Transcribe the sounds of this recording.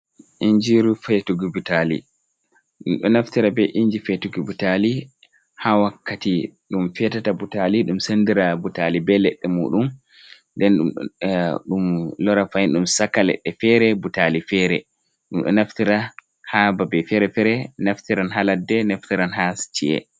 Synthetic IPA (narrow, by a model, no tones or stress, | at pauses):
ʔiɲd͡ʒiɾufɛtuɡubutalḭ | ɗumɗɔnaftiɾabɛʔiɲd͡ʒifɛtuɡubutali | hawakːatiɗumfɛtatabutaliɗumsendiɾabutalibɛlɛɗːɛmṵɗum | dɛnɗ | ɗumlɔɾafajinɗumsakːalɛ̰ɗːɛfɛɾɛbutalifɛɾɛ̰ | ɗumɗɔ̰naftiɾa | hababɛfɛɾɛfɛɾɛnaftiɾanɦaladːɛnaftiɾanɦast͡ʃiɛ̰